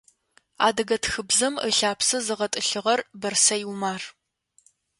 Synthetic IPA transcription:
a̰ːdɐɡɐtʰxɨbzɐməɬaːpsɨzɨʁɐtʼɨɬɨʁɐrbɐrsɐjwmaːr

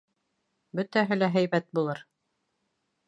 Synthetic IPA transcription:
bɵt̪æɦɘlæɦæjbæt̪̚bulˠɤɾ

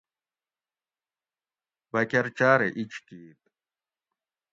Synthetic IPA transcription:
bɐkɐɾt͡ɕaːɾeʔit͡ɕkiːt̪̚

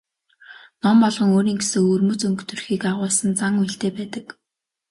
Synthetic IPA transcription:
nɔmpɔɮʁɞ̆ŋoːɾiːŋɡesɘ̆ŋɵrmɵ̆t͡sɵŋkt̪ʰɵ̆rxiːkaʁʊːsə̆nt͡saŋiɬt̪eːpæːt̪ə̆k

